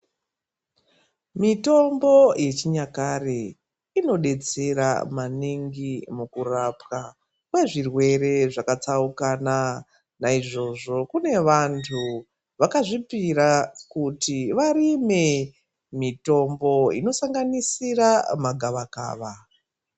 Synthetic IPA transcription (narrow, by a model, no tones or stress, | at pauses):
mito̞mbo̞je̞t͡ʃiɲakare | ino̞ɗe̞t͡se̞ɾa̰maniŋɡimukurapka | kwe̞ʐirwe̞ɾe̞ʐakat͡saukana | naiʐo̞ʐo̞kune̞ʋantʰu | ʋakaʐipiɾakutiʋaɾime̞ | mito̞mbo̞ḭno̞saŋɡanisiramaɡʱaʋaka̰ːʋa